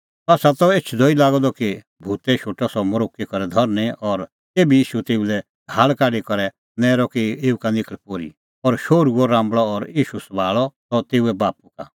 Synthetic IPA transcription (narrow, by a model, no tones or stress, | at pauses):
aːsat̪ɔeːt͡ʃʰd̪ʱoːilaːɡɔd̪ɔki | bʱuːt̪ɛʃʰoːʈɔsɔmɔɾoːkːikɔɾɛd̪ʱɔɾneʔɔɾ | eːbijiːʃut̪eːulɛ | ɡʱaːlkaːɖikɔɾɛ | nɛːɾɔkieːukanɪkəɭpoːɾḭ | ɔɾʃoːɾuɔɾãːmbɭɔːɾjiːʃusbʱaːɭɔt̪ɔt̪eːuɛbaːpuka̰